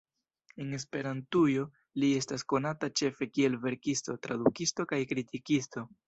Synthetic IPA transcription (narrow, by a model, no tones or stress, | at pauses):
e̞ne̞s̬pe̞ɾantujo̞ | lie̞stasko̞natat͡ʃe̞fe̞kie̞lve̞ɾkisto̞tɾadukisto̞kajkɾitikisto̞